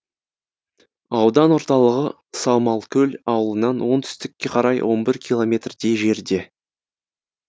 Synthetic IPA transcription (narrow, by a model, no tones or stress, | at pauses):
ɑwd̪ɑnwo̞ɾt̪ɑlˠəʁə | sɑwmɑlˠkʲʰɵlʲɑwəlˠənɑnwo̞nt̪ʰʏ̥st̪ɪkʲːe̞qʰɑɾɑjwʔo̞nbɪɾkʲʰilˠo̞mʲe̞t̪rd̪e̞jʒe̞ɾd̪e̞